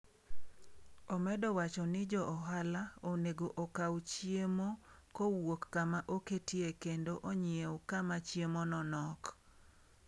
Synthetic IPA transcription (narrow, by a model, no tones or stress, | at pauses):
ɔmɛdɔwat͡ʃɔnɪd͡ʒɔʔɔɦalaoneɡoʔokawt͡ʃjemokowokːamaʔoketiekendoʔoɲɪewkamat͡ʃjemonɔnɔk